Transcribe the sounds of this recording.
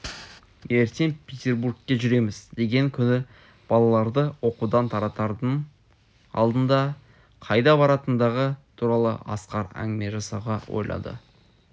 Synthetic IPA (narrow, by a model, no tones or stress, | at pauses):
je̞ɾt̪enpʰʲet̪ʲe̞rbuɾk̚t̪ʲeʒʏɾe̞mɪzd̪e̞ɡʲe̞ŋkʲʰʏnɪ | b̥ɑlˠɑlˠɑɾd̪əwo̞qud̪ɑnt̪ʰɑɾɑt̪ɑɾd̪ən | ɑ̰lˠd̪ənd̪ɑ | qʰɑjd̪ɑbɑɾɑt̪ənd̪ɑʁət̪ʰuɾɑlˠə̰ʔɑ̰sqɑɾæ̰ŋɡɪme̞ʒɑsɑʁɑwo̞̰jlˠɑ̰d̪ə̰